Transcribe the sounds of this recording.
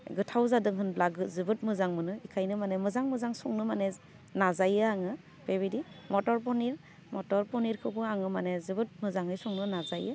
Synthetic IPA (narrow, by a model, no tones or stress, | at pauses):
ɡɯtʰawzadɯŋɦɯnblaɡɯtzɯbɯt̚mɯzaŋmɯnɯikʰajnɯmanemɯzaŋmɯzaŋsɔŋnɯmane | nazajɯaŋɯ | peβidimɔtɔɾp̬ɔniɾ | mɔtɔɾpɔniɾkʰɯpɯaŋɯmanezɯbɯt̚mɯzaŋɯjsɔŋnɯnazajɯ